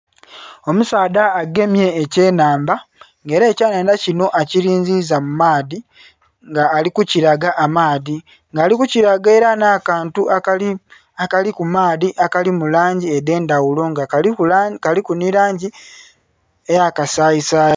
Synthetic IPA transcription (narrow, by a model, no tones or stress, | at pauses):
o̞musaːdaːɡe̞mje̞ːce̞ːnaːmba | ŋɡe̞ːɾeːcaːnaːndacino̞ʔaciɾiːɲzizamumaːði | ŋɡaːlikuciɾaɡaʔːmaːði | ŋɡaːlikuciɾaɡe̞ːɾanakaːntu | akalikumaːðiʔakalimulaːɲɟieðe̞ːndawulo̞ŋɡa | kalikuniɾaːɲɟi | ejakasaːjisa